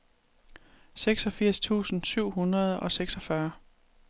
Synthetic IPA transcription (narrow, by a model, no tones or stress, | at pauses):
seɡ̥sɒ̽fiɐ̰st͡sʰṵːsn̩syʊ̰ɦunʁɐð̞ˠɒ̽seɡ̥sɒ̽fɶɐ